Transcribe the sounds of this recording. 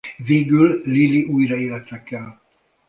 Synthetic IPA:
veːɡylliliʔuːjrɒeːlɛt̪rɛkːɛl

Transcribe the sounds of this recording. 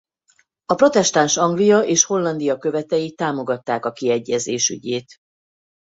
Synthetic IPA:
ɒpro̞t̪ɛʃt̪anʃɒŋɡlijɒʔeːʃho̞lːɒnd̪ijɒkø̞vɛt̪ɛjit̪aːmo̞ɡɒt̪ːaːkɒkiɛɟːɛzeːʃy̰ɟeːt̪

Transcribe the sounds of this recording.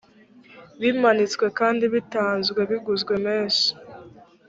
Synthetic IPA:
βimanit͡sɡwe̞kaːndiβitaːnzɡwe̞βiɡuzɡwe̞meːnsi̥

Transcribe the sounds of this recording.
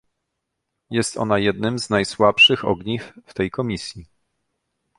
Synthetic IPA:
jɛst̪ɔ̰najɛd̪nɘmznajswapʂɘxɔ̰ɡɲifft̪ɛjkʰɔmʲisʲji

